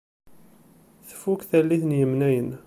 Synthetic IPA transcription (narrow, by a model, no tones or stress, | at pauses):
θə̥fːukθælːiθnjəmnæjən